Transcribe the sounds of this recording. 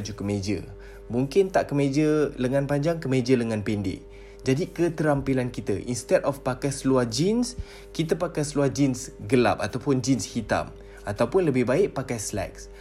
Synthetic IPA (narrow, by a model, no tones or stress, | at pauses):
d͡ʒukəmed͡ʒə̰ | muŋkɪnt̪aʔkəmed͡ʒələŋãnpaɲd͡ʒaŋkəmẽd͡ʒələŋãnpɛndɪ̰ʔ | d͡ʒadikət̪əɾampilankit̪əʔḭnst̪ɛdɔfpakajsəluad͡ʒins | kit̪əpakajsəluahd͡ʒinsɡəla̰p̚at̪awpʊnd͡ʒinshit̪a̰m | at̪awpʊnləbɪhbaɪʔpakajslɛ̰k̚s